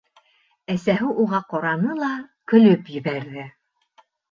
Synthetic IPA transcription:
æsæɦɘʔuʁɑqɑɾɑnɤlˠɑkɵ̆lɵpjɘ̆βæɾðɘ

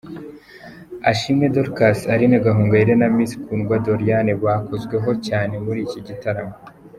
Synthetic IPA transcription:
aʃimŋe̞doɾkasaɾineɡaɦuːŋɡaiɾe̞namisi̥kuːnɡwado̞ɾijane̞βwaːkozɡwe̞ɦo̞caːne̞muɾiːciɟitaɾamo

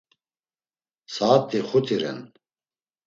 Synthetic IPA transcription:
saːp̚t̪ʰiχut̪ʰiɾɛ̰n

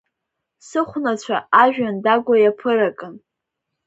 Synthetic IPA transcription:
sɨχʷnat͡ɕʷʰa̰aʒᶣandaɡʷajapʰɨɾakʼɨn

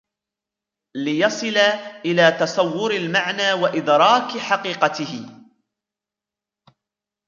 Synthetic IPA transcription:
lɪjɑsˤɨlaʔɪlaːt̪ɑsˤɑwːʊɾalmaʕnaːwaʔɪd̪ɾˤɑːkħaqiːqɑt̪ɪhɪ

